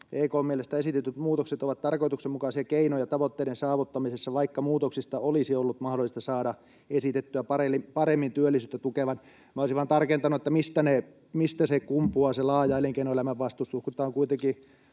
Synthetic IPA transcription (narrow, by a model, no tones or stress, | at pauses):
eːikoːmielest̪æesit̪et̪ːyt̪muːt̪okset̪oʋɑt̪t̪ɑrkoit̪uksemukɑsiɑkeinojɑt̪ɑʋot̪ːeiɾensɑːʋut̪ːɑmisesːɑʋɑikːɑmuːt̪oksist̪ɑolisiolːut̪mɑhdolːˑist̪ɑsɑːɾɑ | esit̪et̪ːyæpɑreipɑɾemːint̪yølːisyːt̪ːæt̪ukeʋɑn | mæoisiʋɑnt̪ɑrkent̪ɑnuet̪ːæmist̪æne | mist̪æsekumpuɑselɑːjɑeliŋkeinoelæmæʋʋɑst̪ust̪uhkut̪ːˑɑːŋkuit̪eŋki